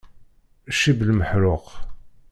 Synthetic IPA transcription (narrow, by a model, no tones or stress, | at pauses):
ʃiblməħɾʊq